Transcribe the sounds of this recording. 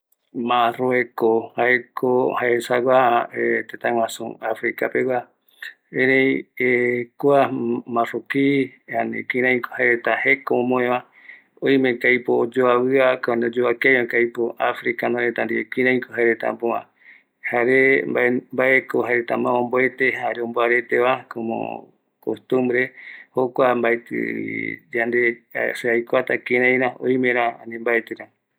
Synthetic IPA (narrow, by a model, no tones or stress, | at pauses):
mãroekohaekʰohaesaɡaet̪et̪ãw̃ãsṵ̃afɾikapewa | ẽɾẽjekoamãrokianḭ̃kĩɾãĩkohaeɾet̪ahekõːmõẽʋã | ojmẽŋkajpoːd͡ʒoawɨakaõnod͡ʒoakemẽkajpoafɾikanõet̪and̪iekĩɾãj̃kohaeɾet̪a̰mpõã̰ | haɾembaembaekoɦaɾet̪amãõmboe̞t̪e̞haɾeomboaɾe̞t̪eβakomõ̰ | kost̪ũmbɾe̞hokʷambaet̪ɨ̰d͡ʒand̪eseajkʷat̪akĩɾ̃ãj̃ɾaõ̰j̃mẽɾ̃aanĩmbaet̪ɨɾa